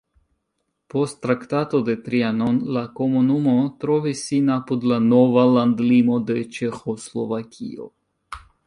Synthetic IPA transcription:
post̪ːɾakt̪at̪od̪et̪ɾianonlakomonumot̪ɾovisinapud̪lanovaland̪limod̪et͡ʃɛxoslovakʰḭo̰

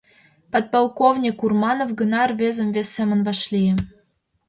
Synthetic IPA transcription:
pɑt̪̚pɑlˠkovnʲikurmɑnovɡə̆nɑrvezə̆mvesːemə̆nvɑʃlijĕ

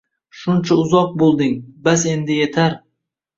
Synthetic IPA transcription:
ʃʊnt͡ʃʰaʊzɒq̚bolˠd̪ɪŋbase̞nd̪ɪje̞t̪ʰaɾ

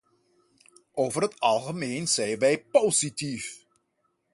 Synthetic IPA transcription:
ʔoːwvərɦətɑlˠχəmeːnzɛjnʋɛjpowzitif

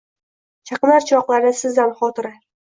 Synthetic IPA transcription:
t͡ʃʰɑqɨnaɾt͡ʃʰɒqlˠaɾnɪsɪzanχɒt̪ʰɪɾa

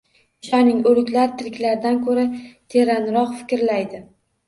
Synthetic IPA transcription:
ʊʃanɪŋolɪkʲlaɾɪt̪ʰɪɾɪkʲlaɾd̪ankʰɵɾat̪ʰe̞ɾanɾɒqfɪ̥kʲɾlajd̪ɪ

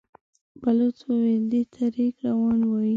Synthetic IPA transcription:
balot͡swoweld̪et̪ʰaɾikɾawɑnwɑji

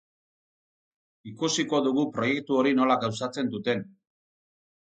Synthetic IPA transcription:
ikusiko̞ðuɣupɾo̞je̞k̚t̪uo̞ɾino̞laɡaws̬at͡se̞nd̪ut̪e̞n

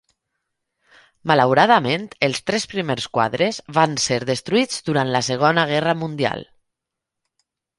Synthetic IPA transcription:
malawɾaðəmẽnt̪elˠst̪ɾɛspɾimeɾskwa̰ðɾezβanseɾðest̪ɾuid͡zd̪uɾant̪laseɣ̞onəɣɛrəmund̪ia̰lˠ

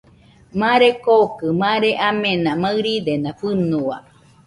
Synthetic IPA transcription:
mãɾekokɨmãɾeʔamẽnãmaɨɾid̪enãɸɨnua̰

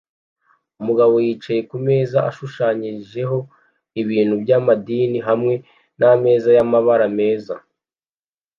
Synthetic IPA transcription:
umuɡaβo̞jiːt͡ʃaje̞kume̞ːzaʔaʃuʃaːɲiʒe̞ɦo̞ | iβiːn̥hubjaːmadiːniɦamŋe̞ | name̞ːzajamaβaɾame̞ːza

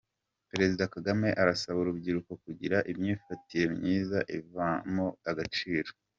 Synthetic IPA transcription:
peɾe̞zidakaɡame̞ʔaɾasaβuɾubɟiɾuko̞kuɟiɾaʔimɲiːfatije̞mɲiːzaʔivamoaɡat͡ʃiːɾo

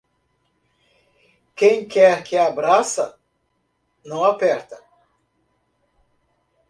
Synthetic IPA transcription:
kẽj̃kɛɾkɪabɾasɐ | nɐ̃w̃apɛɾt̪ɐ

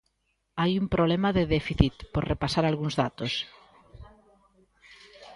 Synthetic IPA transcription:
ajumpɾoβlemaðeðefiθit̪poɾrepasaɾalɣuŋzðat̪os

